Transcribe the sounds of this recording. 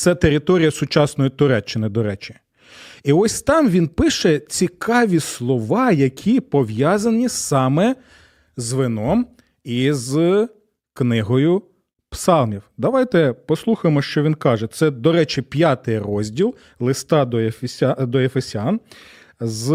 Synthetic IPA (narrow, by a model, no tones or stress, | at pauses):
t̪sɛt̪eɾʲɪt̪ɔɾʲijɐsʊt͡ʃɑsnɔjit̪ʊɾɛt͡ʃːɪnɪd̪ɔɾɛt͡ʃɪ̥ | iɔsʲt̪ɑmʋʲinpɪʃɛt͡sʲikʰɑʋʲislˠɔʋɑjɐkʲʰipɔʋjɑzɐnʲisɑmɛ | zʋɪnɔm | iz | knɪɦɔjʊ | psɑlˠmʲiwd̪ɐʋɑjt̪ɛpɔslˠuxɐjmɔʃt͡ʃɔʋʲinkɑʒɛt̪sɛd̪ɔɾɛt͡ʃɪpʲjɑt̪ɪjrɔzʲdʲilˠ | lˠɪst̪ɑd̪ɔfʲd̪ɔefesʲɑn | z